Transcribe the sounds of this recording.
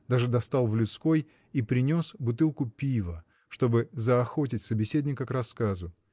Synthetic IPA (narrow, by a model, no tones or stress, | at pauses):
d̪aʐɨd̪ɐst̪ɑlˠvlʲʊt̪sko̞j | ipɾʲɪnʲo̞sbʊt̪ɨlˠkʊpʲivə | ʂt̪o̞bɨzəɐxo̞t̬ʲɪtʲsəbʲɪsʲed̪ʲnʲɪkəkrɐskazʊ